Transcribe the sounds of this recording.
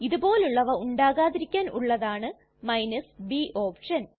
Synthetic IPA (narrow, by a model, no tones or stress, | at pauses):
iðubo̞ːluɭːɐʋɐuɳɖaːɣaːðiɾikʲːaːnʔṵɭːɐðaːɳɨ | mɐjnɐsbiʔo̞ːpʂɐn